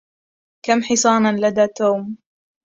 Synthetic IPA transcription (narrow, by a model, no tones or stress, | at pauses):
kamħɪsˤɑːnɑnlad̪aːt̪uːm